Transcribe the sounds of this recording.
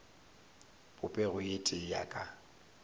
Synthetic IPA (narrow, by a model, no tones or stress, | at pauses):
pʼʊpʼɛɣʊjetʼɪja̰kʼa